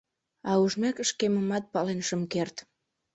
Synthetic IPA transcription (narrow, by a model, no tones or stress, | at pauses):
ɑuʒmekəʃkeməmɑt̪̚pɑlenʃəmkert̪